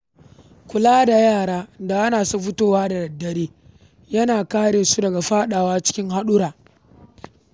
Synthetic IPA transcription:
kʷʊ˨laː˦da˨jaː˦˨ɽaː˦da˨ʔa˦naː˨su˦ɸʊ˦toː˦waː˦da˨dɐ˨dːɐ˦ɾiː˦ | jɐ˦naː˨kaː˦ɽeː˨su˦dɐ˨ɡa˨ɸaː˦ɗaː˨waː˦t͡ʃɪ̥˦kʲɪ˦ŋɦa˦ɗʊ˦ɾaː˨

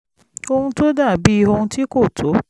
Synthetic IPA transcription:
o˦hũ˦to˦da˦˨bi˦˧ɦo˧nũ˧ti˦ko˦˨tʰo˨˦

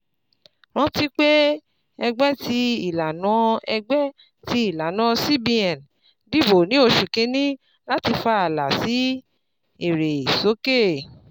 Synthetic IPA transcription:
ɾ̃ã˦ti˦k͡pe˦ | ɛ˧ɡ͡bɛ˦ti˨˦i˨la˨nã˨˦ɛ˧ɡ͡bɛ˦ | ti˨˦i˦˨la˨nã˨˦si˦bi˧ɛ̃˨n | bi˦˨bo˨nĩ˨˦o˧˨ʃu˨ke˨˧nĩ˦ | la˦ti˧fa˦a˨la˨si˨˦ | e˨ɾe˨so˨˦ke˦˨

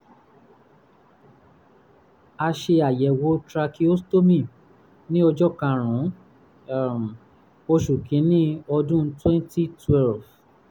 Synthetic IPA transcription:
a˧ʃe˧a˨jɛ˨wo˨˦tɾa˧ki˦o˦sto˦mĩ˦˨ | nĩ˦ɔ˧d͡ʒɔ˦kã˧˨ɾ̃ũ˨˦˨ | m˨ | o˧ʃu˨kĩ˨˦nĩ˦ɔ˧dũ˦twɛ̃˦n˦ti˦twɛ˦lf

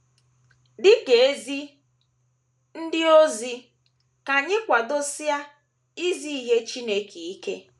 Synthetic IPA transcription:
dɪ˦ke˨e˦zi˦ | n̩˦dɪ˦o˦zi˦ | ka˨ɲɪ˦kʷa˨do˦si˦a˦ | i˦zi˦i˦ɦe˦t͡ʃi˦ne˦ki˨i˦ke˦

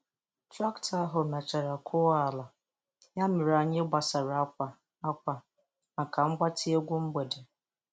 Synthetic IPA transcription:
tɾa˦ktʰa˦ɦʊ˨me˨t͡ʃa˨ɾa˨kʰʊ˦a˦˨la˨ | ja˦mɪ˨ɾa˨ɲe˦ɡ͡ba˨sa˨ɾa˦a˨ | a˦kʷa˨ | na˨kʰa˨ŋ͡m̩˦ɡ͡bʷa˦tʰi˦e˦ɡʷu˦m̩˦ɡ͡be˨de˨

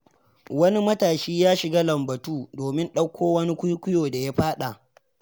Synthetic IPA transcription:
wɐ˦ni˦mɐ˦taː˨ʃiː˦jaː˦ʃɪ˨ɡaː˦lɐ˨mbɐ˨tuː˦doː˨mɪ˦nɗɐ˦kʷʰːoː˦wɐ˦ni˦kʷʊ˦jkʷʊ˦joː˨da˨ja˦ɸaː˦ɗa˨ʔ

